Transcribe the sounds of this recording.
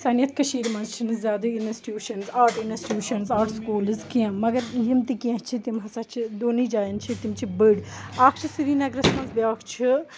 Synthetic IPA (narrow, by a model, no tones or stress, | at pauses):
sɐːnijɐt̪̚ʰkɐʃiːɾmɐzt͡ʃʰinɨzʲjaːd̪ɐinesʈjuːʃɐnzaːʈinesʈjuːʃɐnzaːʈʰskuːlɨzkiãmɐɡɐɾjimt̪ikiɐ̃t͡ʃʰit̪imɦɐsɐt͡ʃʰid̪oːnid͡ʒaːjɐnt͡ʃʰit̪imt͡ʃʰibɨɖaːkʰt͡ʃʰisiɾiːnɐɡɾɐsmɐ̃nzbjaːkʰt͡ʃʰi